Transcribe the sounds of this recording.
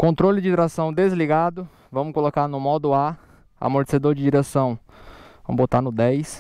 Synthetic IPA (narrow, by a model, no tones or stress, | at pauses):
kõnt̪ɾolɪd͡ʒɪt̪ɾasɐ̃w̃d̪ezliɡad̪ʊ | vɐ̃mʊkolokaɾnʊmɔd̪ʊa | a̰moɾt͡ʃe̥sed̪oɾd͡ʒɪd͡ʒiɾesɐ̃w̃ | vɐ̰̃m̃bot̪aɾnʊd̪ɛjs